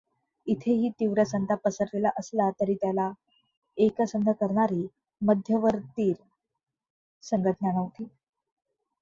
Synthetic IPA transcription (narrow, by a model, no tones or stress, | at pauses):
it̪ʰeɦiːt̪iʋɾəsənt̪apəsəɾlelaʔəslat̪əɾiːt̪jala | ekəsənd̪ʱəkəɾɳaɾiː | məd̪ʱjəʋəɾt̪iːɾ | səŋɡəʈ̪əɳjanəʋt̪iː